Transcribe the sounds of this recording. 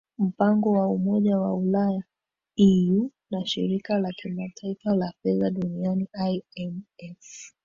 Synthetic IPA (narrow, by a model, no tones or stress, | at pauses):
m̩paŋɡɔwaumɔʄawaulaja | iju | naʃḭɾikalakimatʰaifalafɛðaɗunianiʔajɛmɛf